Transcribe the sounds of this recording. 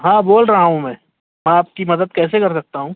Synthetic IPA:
ɦãːboːlɾɐɦaɦũmɛ̃ː | mɛ̃aːp̚kimɐd̪əd̪̚kɛːsekɐɾs̬ɐk̚t̪aɦũː

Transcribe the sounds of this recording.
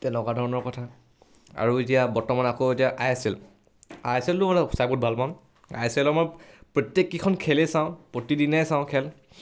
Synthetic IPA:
tɛnɛkwadʱɔɹɔnɔɹkɔtʰa | a̰ɹuetijabɔɹtɔmanakɔetiaʔajasil | ajasiltumansajbut̚bʱalpan | a̰jasɛlɔamɔjpɹɔtjekːikʰɔnkʰɛlɛsãʊ̃pɹotidinɛjsãʊ̃kʰɛl

